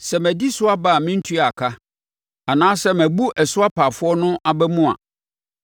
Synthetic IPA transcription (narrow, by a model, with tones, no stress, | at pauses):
sɛ˨mæ̃˨di˦sʊ˦a˦baː˦˨mɪ̃˦n̩˦tʰu˦˨a˨kʰa˦ | a˨nãː˦sɛ˦mæ̃˨bu˦ʔɛ˨sʊ˦a˦pʰa˨fʊ˦ɔ˦nʊ̃˦ʔa˨bɛ˦mũ˦a̰˨